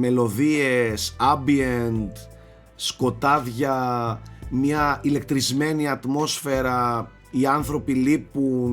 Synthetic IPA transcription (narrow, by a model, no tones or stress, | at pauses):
me̞lo̞ðiesɐbient̪ | sko̞t̪ɐðʝɐ | mɲɐile̞k̚t̪ɾizme̞niɐt̪mo̞sfe̞ɾɐ | iɐnθɾo̞pilipun